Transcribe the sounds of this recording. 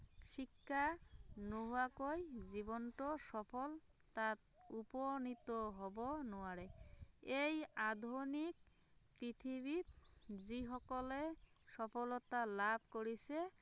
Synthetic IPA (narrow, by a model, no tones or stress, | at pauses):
ʃikʰːanoɦoakojzibɔnʈɔsɔpʰɔl | t̪at̪̚ | upɔnit̪ɔɦɔbɔnoaɹeejad̪ʱonik̚ | pɹit̪ʰiβit̪ziɦɔkɔlesɔpʰɔlɔt̪alab̚ʱkoɹise